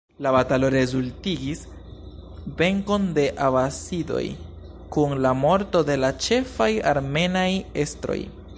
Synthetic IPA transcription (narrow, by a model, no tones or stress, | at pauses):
labatalo̞ɾe̞zultiɡis | ve̞ŋko̞nde̞ʔavasido̞̰j | kunlamo̞ɾto̞de̞lat͡ʃe̞faja̰ɾme̞naje̞stɾo̞̰j